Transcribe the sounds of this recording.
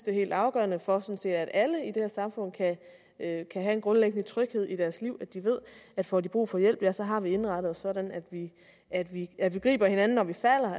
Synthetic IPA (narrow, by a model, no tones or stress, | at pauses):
d̥e̝he̝̰ːld̥ɑ̈ʊɡ̥ɶɐnəfɒ̽sɒ̽nse̝̰ːd̥æd̥æləid̥e̝hæɐsɑ̈mfɔ̽n̰kʰæ | kʰæɦæe̝nɡ̥ʁɔ̽nleɡ̥ənət͡sʰʁœɡ̥he̝ð̞̰ˠid̥æɐsliʊ̰æd̥iʋe̝ð̞̰ˠæd̥fɒːdib̥ʁṵːfɒ̽jel̰b̥jæsɒ̽ɦɑ̈ʋie̝nʁɑ̈ɾ̥əð̩ˠsɒ̽ɾ̥ænæd̥ʋi | æd̥ʋiæʋiɡ̥ʁḭːb̥ɐhe̝nænn̩ːɒʋifæl̰ɐ